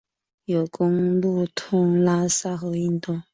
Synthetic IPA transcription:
jo˨˩ʊkʊ˥ŋlu˥˧t̪ʰʊ˥˩ŋla˥sa˥xɤ˧˦i˥˧nt̪ɔ˥˩

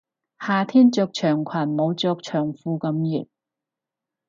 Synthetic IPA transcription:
haː˨t̪ʰiː˥nt͡sɔː˧k̚t͡ʃʰœː˨˩ŋkʷʰɐ˨˩nmo˨˧wt͡sɔː˧k̚t͡ʃʰœː˨˩ŋfuː˧kɐ˨˥mjyː˨˩n̚

